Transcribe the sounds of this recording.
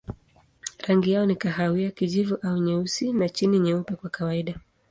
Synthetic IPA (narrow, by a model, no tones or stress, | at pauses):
ɾaŋɡijaɔnikaɦawiakiʄivuʔauɲɛusinat͡ʃiniɲɛupɛkwakawaiɗa